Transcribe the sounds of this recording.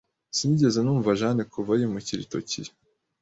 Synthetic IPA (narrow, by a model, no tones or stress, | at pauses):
siniɟezenuːɱvaʒanekʰuvajimuciɾḭto̰cḭ